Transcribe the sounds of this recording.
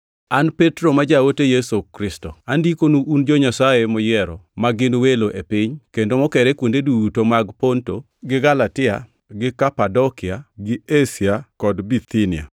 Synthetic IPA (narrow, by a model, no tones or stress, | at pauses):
anpetɾomad͡ʒawotejesokɾɪstoandikonuʔːnd͡ʒɔɲasajemɔjɛɾɔ̰maɡɪnweloʔepɪɲkendomɔkɛɾɛkwondedutomaɡponto | ɡɪɡalatɪa̰ | ɡɪkapadɔkɪaɡɪesɪakɔdbit̪inɪa̰